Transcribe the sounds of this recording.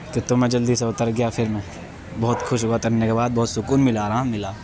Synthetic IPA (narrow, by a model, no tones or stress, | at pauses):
t̪ot̪omẽd͡ʒɐld̪iseʊt̪əɾɡɐjafʰɪɾmẽ | bɔːʊt̪xʰʊʃ̬ɦoɡat̪ɐɾnekebaːd̪̚bɔɦːt̪sʊkuːnmɪlaːɾamːɪlaː